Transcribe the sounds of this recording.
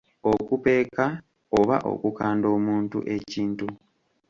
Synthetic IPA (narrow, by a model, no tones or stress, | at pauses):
okupe̞ːka | oβa̰ʔo̰kukaːndo̞ːmuːntṵʔe̞ciːntu